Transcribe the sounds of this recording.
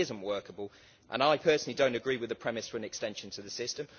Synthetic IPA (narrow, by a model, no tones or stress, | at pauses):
ɪzə̃nʔwɜˑkəbəlˠ | ʔə̰̃naɪpʰɜˑsnəlidə̃ʊ̃ntəɡɹiːwɪðəpʰɹ̥ɛmɪsfəɹə̃nɛkstɛ̃nʃə̃ntʰəðəsɪstə̃m